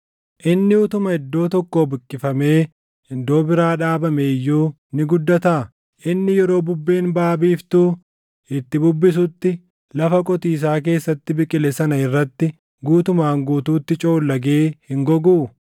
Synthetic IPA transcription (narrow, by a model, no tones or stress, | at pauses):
ʔɪnːɪʊt̪ʊmɐhɛd̪ːo̞ːt̪ɔkːoːbɪkʼːɪfɐme̞ː | ɪnd̪oːbɪɾaːᶑaːbɐmeːjːuː | nɪɡʊd̪ːɐt̪ɐʔɐ | ʔɪnːɪjɛɾo̞ːbʊbːe̞ːnbaːbiːft̪uː | ɪt̪ːɪbʊbːɪs̬ʊt̪ːɪ | lɐfɐkʼɔt̪iːs̬aːk̬e̞ːsːɐt̪ːɪbɪkʼɪlɛsɐnɐɪrːɐt̪ːɪ | ɡuːt̪ʊmaːŋɡuːt̪uːt̪ːɪt͡ʃʼo̞ːlːɐɡe̞ːhɪŋɡɔɡuː